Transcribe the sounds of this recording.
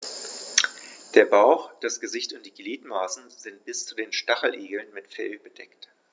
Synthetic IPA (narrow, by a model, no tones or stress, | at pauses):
d̥eːɐbaʊxd̥asɡ̥əzɪçtʊnt̚d̥iːɡliːtmaːsn̩zɪnt̚b̥ɪst͡sudeːnʃtaχl̩ʔeːɡl̩nmɪtfɛlbədɛkt